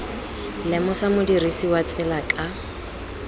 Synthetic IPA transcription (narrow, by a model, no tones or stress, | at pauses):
lɪmʊsamʊdirisiwat͡sʼɪlakʼa